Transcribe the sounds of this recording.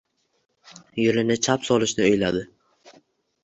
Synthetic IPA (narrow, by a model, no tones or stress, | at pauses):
jʊlɪnɪt͡ʃʰapsɒlˠɪʃnɪojlad̪ɪ